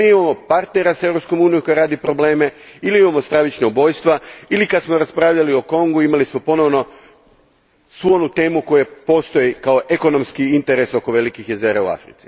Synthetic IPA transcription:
iimamo̞paɾt̪ne̞ɾasae̞vɾo̞psko̞muːnijoko̞jaɾaːd̪ipɾo̞ble̞ːme̞iliimamost̪ɾaʋit͡ʃnaubo̞jst̪ʋailikad̪smo̞ɾaspɾaːʋʎalioko̞ŋɡuimalismo̞po̞no̞ʋno̞ | sʋuonut̪e̞ːmuko̞jepo̞st̪o̞jikao̞ʔe̞ko̞no̞mskiint̪e̞ɾe̞so̞ko̞ʋe̞likixjeze̞ːɾaṵa̰fɾḭt̪si̥

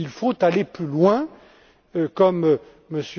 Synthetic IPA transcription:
ilfot̪aleplylwɛ̃ | kɔm | məs

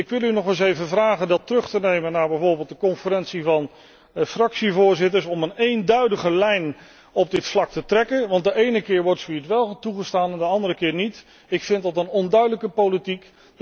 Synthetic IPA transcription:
ɪkʋɪlˠynɔχəns̬ejvəvraːχəndɑtrɵχtənejmənːaːɹbɛjvoːɹbeːlˠt̚dəkɔnfərɛnsivɑn | frɑksivʊːɹzɪtəɹsɔmənejndœɥdəχəlɛjn | ɔb̚dɪtflɑk̚tətrɛkənʋɑnt̚dəʔejnəkɪːɹʋɔɹtsʋitʋɛlˠtuχəstaːnɛndəɑndərəkɪːɹnit | ɪkfɪntdɑtənɔndœɥdələkəpowlitik

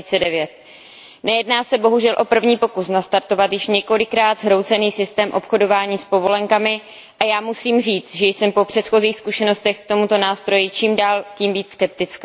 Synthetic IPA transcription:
iːt͡sɛdɛvjɛt̪̚ | nɛjɛdnaːsɛbo̞ɦuʒɛlʔo̞pr̩vɲiːpo̞kusnast̪aɾt̪o̞vat̪jɪʃɲɛko̞lɪkɾaːd̪zɦɾowt͡sɛniːsɪst̪ɛːmʔo̞pxo̞do̞vaːɲiːspo̞vo̞lɛŋkamɪ | ʔajaːmusiːmr̝iːt͡st̪ʒɛjsɛmpo̞pr̝̥ɛt̪xo̞ziːxskuʃɛno̞st̪ɛxk̚t̪o̞mut̪o̞naːst̪ɾo̞jɪt͡ʃiːmdaːlciːmviːt͡sskɛp̚t̪ɪt͡skː

